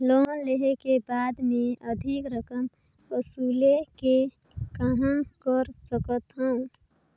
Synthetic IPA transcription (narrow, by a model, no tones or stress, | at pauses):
loɦə̃leɦekebad̪mẽəd̪ʱikɾəkəm | əsuleke | kəɦənkəɾsəkət̪ɦə̃